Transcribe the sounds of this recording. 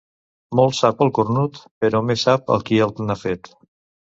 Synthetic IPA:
mɔlˠsapəlˠkuɾnut̪pəɾɔmesap̚ə̰lˠkielˠt̪nafet̪

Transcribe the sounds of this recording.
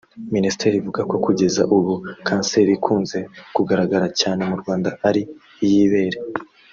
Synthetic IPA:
minisi̥te̞ːɾiivuɡako̞kuɟe̞za̰ʔuβukaːnse̞ɾikʰuːnze̞kuɡaɾaɡaɾacaːne̞muɾɡwaːndaaɾiː | jiβe̞ːɾe

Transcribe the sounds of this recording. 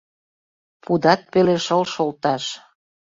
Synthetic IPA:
pud̪ɑt̪̚peleʃəlʃolt̪ɑʃ

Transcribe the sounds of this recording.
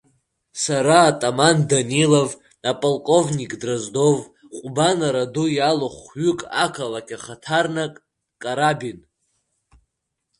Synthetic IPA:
saɾaːtʼamandanilov | apʼolkʼo̞vnikʼdrazdo̞v | qʷʼʊbanaɾadujaloχʷɥʏkʼa̰kʰalakʲʰʼaχatʰarnakʼ | kʼaɾabin

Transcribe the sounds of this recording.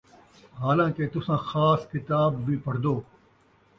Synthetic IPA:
ɦaːlãːket̪ʊsãːxaːskɪt̪aːbːiːpɐɽ̤d̪oː

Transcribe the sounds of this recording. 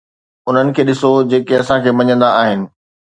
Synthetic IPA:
ʊn̤ənɪ̆kʰeːɗɪsod͡ʑeːkeɐsãkʰeːmɐɲə̃nd̪aaːɦɪnɪ̆

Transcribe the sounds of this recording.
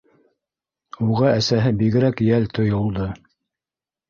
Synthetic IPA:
uʁɑæsæɦɘbiɡɘ̆ɾækjælt̪ʰŏjŏlˠd̪ɤ

